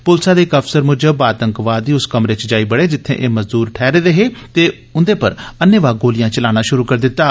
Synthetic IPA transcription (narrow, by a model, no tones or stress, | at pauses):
pʊlsãːd̪eːɪkəpsəɾmʊd͡ʒəbaːt̪ə̃ŋkʋaːd̪ːiːʊskəmɾet͡ʃd͡ʒaːiːbəɽeːd͡ʒɪt̪ʰːḛ̃ːʔeːməzd̪uːɾʈʰɛːɾeːd̪eɦeːt̪eː | ʊnd̪eːpəɾənəʋaːɡoːlɪjãːt͡ʃəlaːñaːʃʊɾuːkəɾd̪ɪt̪ːaː